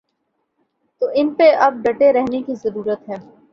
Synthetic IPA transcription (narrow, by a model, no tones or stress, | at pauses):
t̪oːʔɪnpeʔɐb̚ɖɐʈeɾɛɦnekizɐɾuːɾət̪ɦɛː